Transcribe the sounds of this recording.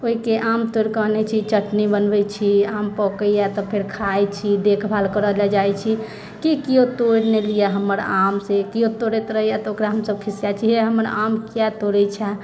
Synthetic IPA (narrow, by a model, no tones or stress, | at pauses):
oikeʔamt̪oɾkəɦnet͡ʃʰit͡ʃəʈnibənbɛjt͡ʃʰiampɔkəjat̪ɔpʰeɾkʰajt͡ʃʰid̪ekʰbʱalkəɾəlad͡ʒajt͡ʃʰi | kikijot̪oɽnelijaɦəmːəɾamsekijot̪oɾɛt̪ɾəɦijat̪okɾaɦəmsəb̚kʰisijat͡ʃʰiɦɛɦəməɾamkjɛt̪oɾɛt͡ʃʰɛ